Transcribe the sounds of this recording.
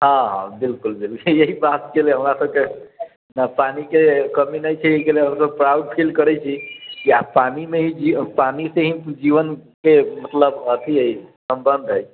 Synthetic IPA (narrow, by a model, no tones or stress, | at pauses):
ɦãɦã̰bilkulbilejeɦibat̪keleɦəmɾasəb̚ke | napanikekəminəjt͡ʃʰɛekeleɦəmsəb̚pɾawɖ̚pʰilkəɾɛt͡ʃʰikiapanimeɦĩd͡ʒipaniseɦĩd͡ʒiʋənkemət̪ləbət̪ʰiəjsəmbənd̪ʱɦəj